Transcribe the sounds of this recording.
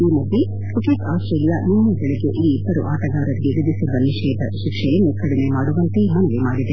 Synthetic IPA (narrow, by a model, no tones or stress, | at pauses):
iːmɐd̪ːi | kuʈekaːsʈɾeːlijaninːɐbɛɭeɡeʔiːb̪ɐɾṵʔaːt̪ɐɡaːɾɐɾiɡeʋid̪isid̪ːɐniʃɐjɐd̪ɐʃikʂɛjɐnːukɐɽimemaːɽuʋɐnt̪emɐnɛʋemaːɽid̪e